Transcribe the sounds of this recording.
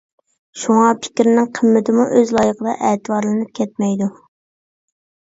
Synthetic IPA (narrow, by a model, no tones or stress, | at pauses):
ʃuŋɑpʰɪ̥kʲɾɪnɪŋqʰəmːɪt̪ʰɪmuʔøzlˠɑjəqəd̪ɑ̰ʔɛːt̪ɨbɑɾlˠɨnɨp̚kʲʰɛt̪̚mɛjd̪u